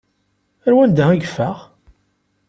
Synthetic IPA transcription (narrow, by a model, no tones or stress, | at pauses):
əɾwænd̪æiɡfæʁ